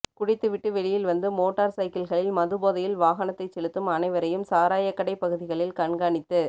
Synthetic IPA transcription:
kʊɽɪt̪ːɯʋɪʈːɯʋɛɭɪjɪlʋɐnd̪ɯmoːʈːɐːɾsɐɪkɪlɣɐɭɪlmɐðɯboːðɐjɪlʋaːɣɐnɐt̪ːɐɪt͡ʃːɛɭɯt̪ːɯmɐnɐɪʋɐɾɐjɯmsaːɾaːjɐkːɐɽɐɪpːɐɣɯðɪɣɐɭɪlkɐɳɡaːɳɪt̪ːɯ

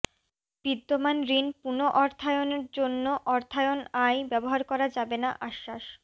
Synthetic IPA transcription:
b̥id̪ːomanɾinpunoʔɔɾt̪ʰaeoneɾd͡ʑonːoʔɔɾt̪ʰaeonajbɛboɦaɾkɔɾad͡ʑabenaʔaʃːaʃ

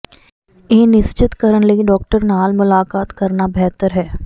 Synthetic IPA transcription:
eːnɪst͡ʃɪt̪kəɾəɳliiɖɔːk̚ʈəɾnaːlmʊlaːkaːt̪kɐɾnabɛɦt̪əɾɦɛː

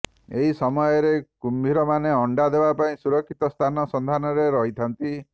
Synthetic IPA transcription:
eɦisɔmɔjɔɾekumbʱiɾɔmaneɔɳɖad̪ebapaĩsuɾɔkʰːit̪ɔst̪ʰanɔsɔnd̪ʱanɔɾeɾɔɦit̪ʰant̪i

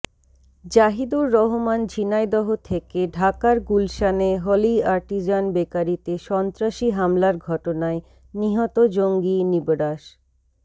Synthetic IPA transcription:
d͡ʑaɦid̪oɾːɔɦomand͡ʑʱinajd̪ɔɦot̪ʰekeɖʱakaɾɡulʃaneɦoliaɾʈid͡ʑanbekaɾit̪eʃɔnt̪ɾaʃiɦamlaɾɡʱɔʈonae | niɦɔt̪od͡ʑoŋɡinibɾaʃ

